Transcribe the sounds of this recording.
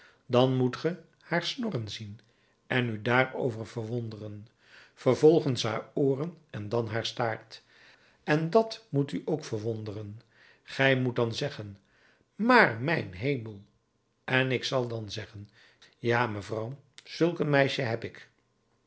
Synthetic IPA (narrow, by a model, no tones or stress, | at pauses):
dɑnmutχə | haːɹsnɔrənzin | ɛnydaːɹo̰wvəɹvəɹʋondərən | fəɹvɔlˠχənsɦa̰ːɹoːrənɛndɑnɦaːɹstaːɹt | ɛndɑtmutyʔowkfəɹʋondərən | χɛjmut̚dɑnzɛχən | maːɹmɛjnɦejməlˠ | ɛnɪksɑlˠdɑnzɛχən | jaːməvrʌwz̥ɵlˠkənmɛjʃəɦɛpɪk